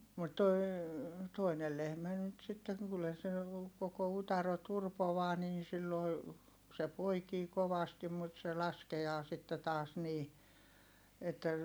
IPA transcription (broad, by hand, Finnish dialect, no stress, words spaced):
mut toi̯ toinel lehmæ nyt sitːeŋ kylːæ se koko utɑro turpoʋɑː niːn̞ silːoi̯ se poikiː koʋɑstim mut se lɑskeɑː sitːe tɑːs niː etːæ